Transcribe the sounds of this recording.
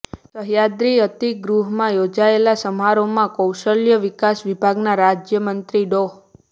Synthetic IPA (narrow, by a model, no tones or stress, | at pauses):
səɦjad̪ɾiət̪iɡɾuɦmãjod͡ʒaelasəmɦaɾomãkəwʃəljəʋikasʋibʱaɡnaɾad͡ʒjəmənt̪ɾiɖoɦ